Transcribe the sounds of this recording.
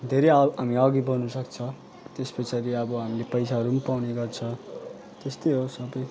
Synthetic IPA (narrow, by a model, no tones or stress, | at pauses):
d̪ʱeɾeʌɦamiʌɡibʌnusʌkt͡sʰʌ | t̪espʌt͡sʰʌɾiʌbʌɦamilepʌjsaɦʌɾumʌpawneɡʌrt͡sʰʌ | t̪est̪ʌjɦosʌbʌj